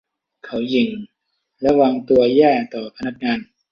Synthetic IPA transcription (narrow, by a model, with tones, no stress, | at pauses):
kʰa˩˦˥wji˨˩ŋ | ɾa˧˥waː˧ŋt̪u˧ɐjɛː˥˩t̪ɔː˨˩pʰa˧na˦˥k̚ŋaː˧n